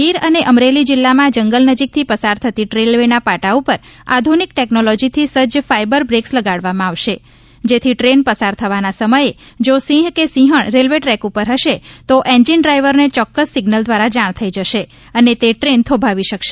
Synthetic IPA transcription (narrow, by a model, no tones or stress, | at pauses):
ɦiɾəneʔəmɾelid͡ʒɪlːamãd͡ʒəŋɡəlnəd͡ʒik̚t̪ʰipəsaɾt̪ʰət̪iʈɾelʋenapaʈaupəɾa̰d̪ʱunik̚ʈɛknolɔd͡ʒit̪ʰisəd͡ʒfaibəɾbɾeksləɡaɽʋamãaʋʃe | d͡ʒet̪ʰiʈɾenpəsaɾt̪ʰəʋanasəməje | d͡ʒosĩɦkesĩɦəɳ̃ɾelʋeʈɾɛkupəɾɦəʃet̪oʔẽnd͡ʒiɳɖɾaiʋəɾnet͡ʃɔkːəsːiɡnəld̪ʋaɾad͡ʒaɳ̃t̪ʰəid͡ʒəʃe | ənet̪eʈɾent̪ʰobʱaʋiʃəkʃe